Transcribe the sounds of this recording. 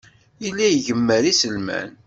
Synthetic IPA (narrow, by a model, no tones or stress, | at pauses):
ilːæjʝəmːəɾisəlmæ̰n